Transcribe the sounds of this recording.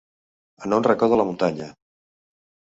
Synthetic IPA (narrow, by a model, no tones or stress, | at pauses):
ənonrəkɔðələmunt̪aɲə